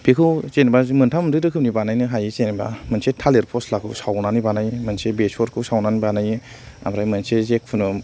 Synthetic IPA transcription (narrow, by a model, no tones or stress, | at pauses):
bekʰɯwt͡ʃenibazimɯntʰammɾɯdɯkʰɯp̚nibanajnɯɦajit͡ʃeniba̰mɯnsetʰaleɾpʰɔslakʰɯ̰wsawnanibanajmɯnsebesɔɾkʰɯwsawnanibanaj | a̰mɾajmɯnsezek̚pʰɯnɯ